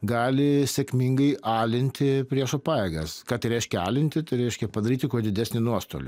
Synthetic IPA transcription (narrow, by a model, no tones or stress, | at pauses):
ɡɑːlʲɪsʲɛkmʲɪŋɡɐɪʔɑːlʲɪnʲt̪ʲɪpʲɾʲiɛʃɐpɑːjeːɡɐskɑːt̪ɐɪɾɛɪʃʲkʲɛɑ̰ːlʲɪnʲt̪ʲɪt̪ɐɪɾɛɪʃʲkʲɛpɐd̪ɐɾʲiːt̪ʲɪkuɔd̪ʲɪd̪ʲæsʲnʲɪnuɔst̪o̰ːlʲɪ̰